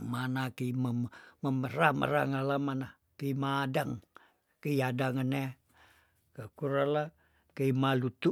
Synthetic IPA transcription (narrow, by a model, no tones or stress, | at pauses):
manakəiməmməməɾamə̰ɾa̰ŋalamana | kimadaŋ | kəiadaŋəne | kəkuɾala | kəimalut̪u